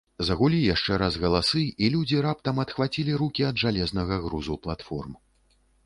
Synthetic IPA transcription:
zɐɣulʲijaʂt͡ʂɛɾazɣɐlˠasɨilʲud͡zʲiɾap̚t̪ɐmɐt̪xvat͡sʲilʲiɾukʲiɐd̪ʐalʲɛznɐɣɐɣɾuzuplˠat̪fɔ̰rm

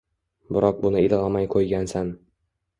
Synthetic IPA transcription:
bɪɾɒq̚bʊnɪɪlʁamajqʰojɡʲansan

